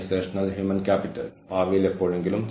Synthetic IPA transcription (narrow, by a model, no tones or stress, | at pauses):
seːʂɐnɐlɦjuːmɐnkaːpiʈɐ̰lpaːʋɐjile̞pːoːɻeŋɡilumt͡ɕ